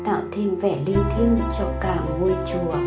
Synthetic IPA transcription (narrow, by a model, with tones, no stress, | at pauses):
t̪a̰ː˧˨wt̪ʰi˧ənvɛ˧˩li˧ənt̪ʰi˧ənt͡ɕɔ˧kaː˨˩ŋu˧˩əjt͡ɕu˧˩˦ə